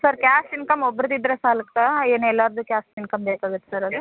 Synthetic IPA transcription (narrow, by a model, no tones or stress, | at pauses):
sɐɾkʲjaːsʈinkɐmobːɾd̪id̪ɾesaːlɐkt̪aeːnuɛlːaːɾd̪ukʲjaːsʈinkɐmbeːkaːɡɨt̪ːe̥saɾɐd̪u